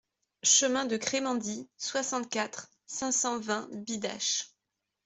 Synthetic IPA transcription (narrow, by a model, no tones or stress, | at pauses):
ʃəmɛ̃d̪əkχemɑ̃d̪iswasɑ̃t̪̚kʲat̪χ | sɛ̃sɑ̃vɛ̃bid̪a̰ʃ